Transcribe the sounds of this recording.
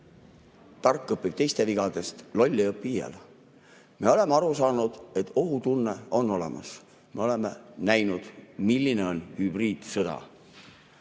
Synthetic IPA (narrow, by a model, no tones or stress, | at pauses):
t̪ɑrkːˑɤpːib̥t̪e̞jst̪e̞viɡ̥ɑd̪̥e̞st̪lo̞lʲːiɤpːijḛl | me̞o̞le̞meɑɾusɑːnud̪̥e̞t̪ːˑo̞ɦut̪unːe̞o̞nːo̞le̞̰mɑ̰s | me̞o̞le̞menæjnud̪̥milʲːine̞o̞nhyb̥riːd̪̥sɤd̪̥ɑ̰